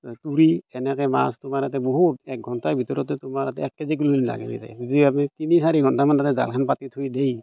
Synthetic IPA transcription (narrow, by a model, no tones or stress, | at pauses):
tuɾiɛnɛkɛmastumaɾatɛbɔɦutɛk̚ɡʱɔntajbʱitɔɹɔtɛtumaɾatɛɛkːezik̬ululla̰ɡɛ̰nḭta̰judiamitinisaɾiɡʱɔntamandatɛza̰lkʰanpatitʰujdej